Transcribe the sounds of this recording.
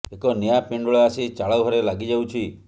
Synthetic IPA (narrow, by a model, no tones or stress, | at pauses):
ekɔnijapiɳɖɔɭeasit͡ʃaɭɔwɦɔɾelaɡid͡ʒawt͡ʃʰi